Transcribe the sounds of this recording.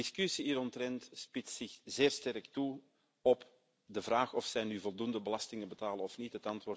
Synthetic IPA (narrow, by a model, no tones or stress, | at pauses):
ɪskysiiːɾɔntrɛntspɪtsɪxzɪːrstɛrktu | ɔp | dəvraːxɔfsɛjnyvɔlˠdundəbəlɑstɪŋənbətaːlənɔfnitɦətɑntʋʊːr